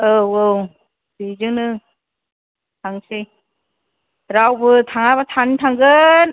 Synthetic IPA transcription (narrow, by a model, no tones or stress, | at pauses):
ɯwow | bizɯŋnɯ | tʰaŋsɯj | ɾawbɯtʰaŋabatʰantʰaŋɡɯn